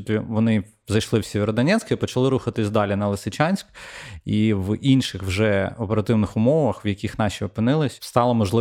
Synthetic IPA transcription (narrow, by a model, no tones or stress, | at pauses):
t̪ʲiʋɔnɪ | zɐjʃlˠɪwsʲeʋʲeɾɔd̪ɐnʲɛt̪sʲkɐipɔt͡ʃɐlˠɪɾuxɐt̪ɪsʲd̪ɑlʲinɐlˠɪsɪt͡ʃɑnʲsʲkiʋinʃɪxwʒɛɔpeɾɐt̪ɪwnɪxʊmɔʋɐxwjɐkʲixn̪ɑʃʲiɔpɪnɪlˠɪsʲst̪ɑlˠɐmɔʒlˠɪ